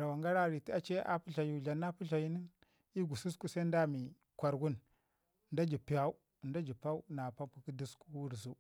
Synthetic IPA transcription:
ɾa˨wa˨ŋɡa˦ɾa˦˨ɾi˨ti˦a˦t͡ʃe˦ʔa̰˦pu˦ɬa˨ju˦˨ɮa˨nːa˦pu˦ɬa˨ji˦ni˦n | i˦ɡu˨su˦sku˦sa˦i˦n˦da˦mi˨ | kʷa˨ɾɡu˦n˨ | nda˦d͡ʒi˨pi˨ja˦u˦˨nda˦d͡ʒi˨pa˦u˦na˨pa˦pu˦ki˦di˦sku˦wu˦ɾzu˦

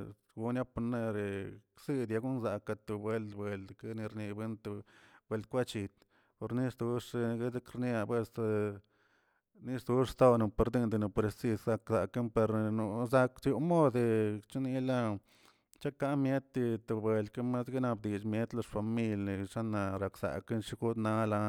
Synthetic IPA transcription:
ɡu˧˦nja˦pu˧ne˧ɾe˨ksi˦d̪ja˧ɡu˦nza˨ka˧t̪u˨bwe˧ld̪bwe˨ld̪ka˦ni˧ɾni˧be˦nt̪u˧bwe˧ld̪̚kʷa˦t͡ʃi˧t̪ | po˧ɾni˦sd̪u˧˦ʂɡe˦ze˦kɾnja˧pwe˦s | ni˦ʂd̪u˦ʂst̪o˦no˨pe˧ɾd̪i˦nd̪e˧no˨pɾe˧si˧ssa˧ksa˨ke˦npe˧ɾnu˧za˧ksju˧mo˦d̪e˧t͡ʃi˦ni˧la˦ | t͡ʃa˦ka˦ʔmje˦t̪ːi˧t̪u˨bwe˧ld̪ka˦ma˦sɡi˦na˧bd̪i˨t͡ʃmje˦t̪lo˧ʂfa˨mi˧lni˨ʂa˦na˧ɾa˨ksa̰˨ke˦nʂi˦ɡu˦d̪na˦la˧

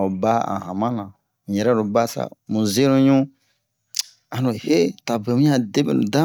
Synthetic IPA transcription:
o˨ba˦ã̰˨hã˨mã˦nã˨ | jɛ˨ɾɛ˦ɾu˨ba˦sa̰˦˨mũ˨ze˦nũ˦ɲũ˦ | ã˨no˨he˦ta˨be˨mũ˦a˦de˦bḛ˨nṵ̃˨dã˦

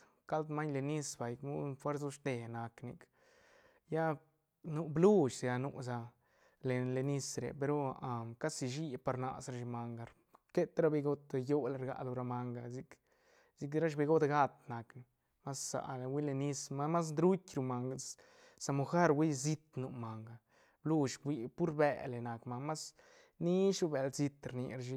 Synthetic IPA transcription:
ka˦lt̪ma˦ɲle˧ni˦sba˨jkmu˦fwe˦ɾsu˦ʃt̪e˨na˨kni˧k | ja˦ | nu˧blu˦ʃzja˧nu˧ʔsa˧ | le˨le˧ni˧sɾḛ˨pe˧ɾo˦a˧ka˦si˧ʃi˦pa˧ɾna̰˧sɾa˧ʃi˧ma˧ŋɡa˧ɾ | ke˦t̪ɾa˦be˧ɡo˦t̪jo˦la˧ɾɡa̰˨lo˧ɾa˧ma˧ŋɡa˧zi˧k | z̥i˧k̬ɾa˦ʃ̬be˧ɡo˦t̪ɡa˦t̪̚na˨k | ma˦sːa̰˨lwi˦le˧ni˦sma˦ma˦s̬nd̪ɾu˦tʲɾu˧ma˨ŋɡ | sa˧mu˧xa˦ɾwi˦zi˦t̪nu˧ma˨ŋɡa˨ | blu˦ʃɡʷi˧pu˦ɾbe˧le˨na˨kma˧ma˦s | ni˦ʃu˧be˧˨lzi˧t̪ɾnḭ˧ɾʃi˧

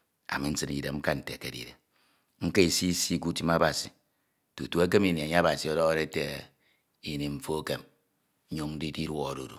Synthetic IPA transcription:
a̰˨mi˦n̩˦sɨ˦nḭ˨de˨m̩˦ka˦n̩˨tḛ˨ke˦dḭ˨ɾe˨ | ŋ̩˦ke˦i˨si˦si˦ku˦ti˦ma˦ba˨si˨ | tu˨tu˦e˦k̬e˦mi˨ni˨a˨ɲ˦a˦ba˨si˨ɔ˦dɔ˦ɣɾe˦te˨ | i˨ni˨mɱ̩˦fo˦ke˨m˦ | ɲo˦ŋn̩˦di˦di˦ɾwɔ˦˨ɾṵ˨ɾṵ˨

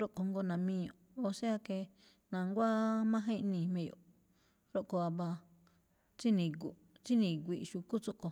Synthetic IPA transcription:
ɾo˦ʔko˨ŋɡo˧nã˨mĩ˦˧jo˨o˧se˦a˦ke˧ | nã˨ŋɡʷa˦mã˦ɦẽ˦ʔnĩ˧˨mẽ˧jo̰˨ | ɾo˦ʔko˧a˧βa˧ | t͡ʃi˦nĩ˧ɡu˨˧ | t͡si˦nĩ˧ɡ̬ʷi˧ʔʃu˧ku˦t͡so˦ʔko˧

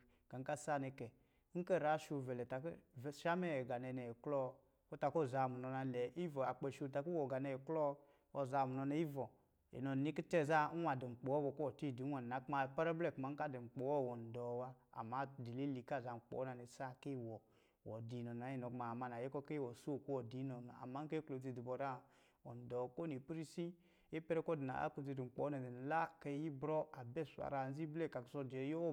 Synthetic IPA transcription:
ka˨ŋ̩˦ka˦˨sa˦˨nɛ˧kɛ˨˦ | ŋ̩˦kɛ˦˨ɾa˨˦ʃu˧vɛ˨lɛ˨ta˨kʃa˦mɛ˦ɛ˨ɡa˨nɛ˧˨nɛ˨klɔ˦ | ɔ˦ta˧kɔ˦˨za˧˨mu˨nɔ˧na˧lɛ˨i˦vɔ˨a˨k͡pe˨ʃu˧˨ta˨ku˦wɔ˨ɡa˨nɛ˧ɛ˨klɔ˦ | ɔ˧za˧˨mu˨nɔ˧na˧˦i˦vɔ˨ | ḛ˨nɔ˨ni˦ki˦tɛ˦˨za˦wa˨dɛ˨ŋ͡m̩˨k͡pɔ˨ɔ˦wɔ˨kɔ˦wɔ˨ti˦˨di˨˦a˨n˨a˨˦kma˧˨pa˦ɾɛ˦blɛ˦˨kma˨˦ŋ̩˦ka˦˨dɛ˨ŋ͡m̩˨k͡pɔ˨wɔ˦˨wɔ˨n̩˨dɔ˨wa˦a̰˨ma˦˨di˨le˦li˨ka˦˨za˨ŋ͡m̩˨k͡pɔ̰˨˦na˨ne˨sa˦˨ke˦˨wɔ˨ | wɔ̰˨di˨nɔ˨n˨a˨˦ji˦˨no˨kma˨ma˨n˨a˨je˦kɔ˦ke˦wɔ˨so˦˨ku˦wɔ˨di˨˦nɔ˨na̰˨a̰˨ma˦ŋ˦ke˦klo˨d͡zi˨di˨bɔ˨ɾa˦ | wɔ˨n˨dɔ˨ko˦ne˨pɾi˦si˦ | e˦pɛ˦ɾɛ˦kɔ˦di˨na̰˨a̰˦ko˨d͡zi˨di˨ŋ͡m̩˨k͡pɔ˨˦na˨e˨n˨la˦ke˦ji˦bɾɔ˦a˨bɛ˦˨sa̰˨ɾa˨n˦zi˦blɛ˦˨ka˨kso˦djo˦

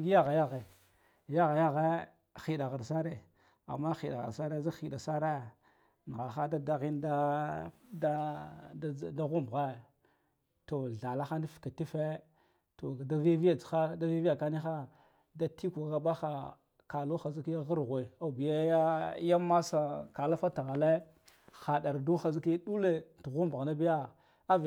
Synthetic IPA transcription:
ja˦ɣa˨ja˦ɣe˨ | ja˦ɣa˨ja˦ɣe˦ | xi˨ɗa˨ɣa˨ɾsa˦ɾe˨ | a̰˨mːa˦xi˨ɗa˨ɣa̰˨ɾsa˦ɾe˦za˦xi˨ɗa˨sa˦ɾe˦ | n˨ɣa˨xa˦da˦da˦ɣi˦nda˦ | da˦˨ | da˦ɣu˦m˨ɣa˦ | to˨ɮa˨la˦xa˦ndi˦fka˨ti˦fe˦ | to˨da˦ve˦vi˦ja˨t͡sxa˦da˦ve˦vi˦ja˨ka˦ni˦xa˦ | da˦ti˦kka˦ba˦xa˨ | ka˨lu˦xa˨zi˦ki˦ja˦ɣə˦ɾɣʷe˨a˨bi˨ja˦ja˦ja˦ma˦sa˨ka˨la˦fa˦ta˨ɣa˨le˦ | xa˨ɗa˨ɾdu˦xa˨zi˦ki˦ɗu˦le˨tu˨ɣu˦mbɣa˨na˦bi˦ja˦ | a˦v

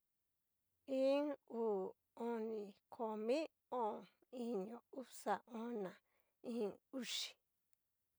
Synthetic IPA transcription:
ĩ˦ŋuː˨ | õ˧nĩ˨kʰo˨mĩ˦ | õ˦˨ | ĩ˧ɲõ˨u˦sa˨ʔõ˧˦nã˨ | ĩ˦u˦˧ʂi̥˨

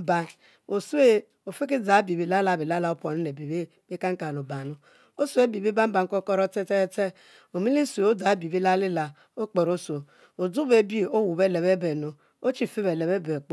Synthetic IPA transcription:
ba˨n | o˨su˦e˦ | o˨fi˦ki˦d͡za˨˦bi˨bi˨la˦la˨bi˨la˦la˨o˦po˨ni˦ne˨bi˨be˦ | me˦ka˦ŋ̩˦ka˨nu˨ba˨nu˦ | o˦so˦e˦bi˨bi˦ba˦m̩˦ba˨ŋ̩˦ko˦kɔ˦ɾɔ˦te˦te˦te˦ | o˨mi˦li˦su˨e˨o˦da˨˦bi˨bi˦la˦li˦la˨ | o˦k͡pɔ˨ɾo˦so˨ | o˨du˦be˦bi˦˨o˦wu˨be˦˨le˨be˦be˨no˨ | o˦t͡ʃi˦˨fi˦be˨le˨be˦be˨k͡p

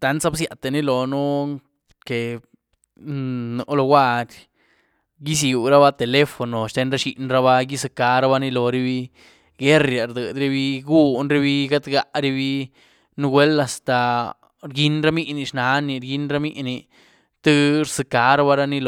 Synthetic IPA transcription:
t̪a˨nsa˦bsja˨t̪a˨ni˦lo˨nu˦ | ke˨ | nu˧ʔlo˧ɡwa˦ɾʲ | ɡi˦s̬ju˨ɾa˦ba˦t̪e˨le˦fo˨no˨ʃt̪e˧˦nɾa˦ʃi˧ʔnɾa˧ba˦ji˦sɨ˧ka˨˦ɾa˦ba˧ni˧lo˨ɾi˦bi˧ | ɡe˦ɾja˨ɾd̪ɨ˨d̪ɾe˦bi˦ɡu˦˧nɾe˦bi˦ɡa˦d̪ɡa˧ʔɾi˦bi˦ | nu˦ɡwe˦la˨st̪a˨ | ɾɡi˦nɾa˦mi˦ʔni˧ʂna˨˦ni˧ɾɡi˦nɾa˦mḭ˦ʔni˧ | t̪ɨ˦ɾsɨ˧ka˧ɾa˦ba˦ɾa˦ni˦lo

